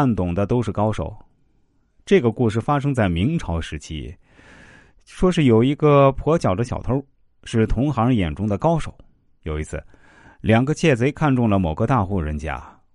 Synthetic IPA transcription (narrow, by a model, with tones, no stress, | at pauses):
nt̪ʊ˨˩ŋd̪ə˦t̪o˥ʊʂɻ̩˥˩kɑ˥ʊʂo̰˨˩˦ʊ | ʈ͡ʂɤ˥˩ɡə˩ku˥˧ʂ̬ɻ̩˥˩fa˥ʂ̬ɤ˥ŋt͡sa˥˩ɪmi˧˥ŋʈ͡ʂʰɑ˧˥ʊʂɻ̩˧˥t͡ɕʰḭ˥ | ʂwɔ˥ʂɻ̩˥˩jo˨˩ʊi˧˥ɡə˧pʰwɔ˧˥t͡ɕjɑ˨˩ʊd̪ə˦ɕjɑ˨˩t̪ʰə˧˥ | ʂɻ̩˥˩t̪ʰʊ˧˥ŋxɑ˧˥jɛ˨˩nʈ͡ʂʊ˥ŋd̪ə˨kɑ˥ʊʂo˨˩˦ʊ | jo˨˩ʊi˧˥t͡sʰɹ̩˥˩ | ljɑ˨˩ŋɡə˦˧t͡ɕʰjɛ˥˩t͡swe˧˥ɪkʰa˥˧nʈ͡ʂʊ˥˩ŋlə˩mo˨˩ɡə˦t̪a˥˧xu˥˩ɻə˧˥nt͡ɕja̰˥